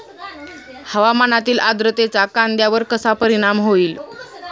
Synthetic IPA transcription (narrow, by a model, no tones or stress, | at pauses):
həʋamanat̪iːlʔad̪ɾət̪et͡sakand̪jaʋəɾkəsapəɾiɽ̃amɦoiːl